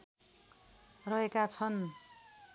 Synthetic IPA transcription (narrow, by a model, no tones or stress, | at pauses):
rʌɦekat͡sʰʌn